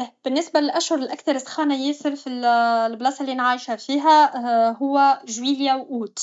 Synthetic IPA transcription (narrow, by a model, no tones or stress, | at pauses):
b̥ɪnːɪsbalɪlʔæʃhʊɾˤɪlʔækθɑɾˤɪsˤxɑːnajɪːsɪɾfillblɑːsˤalːinʕaːjʃhafiːɦæhʊwːæʒwiːljawʔuːt̪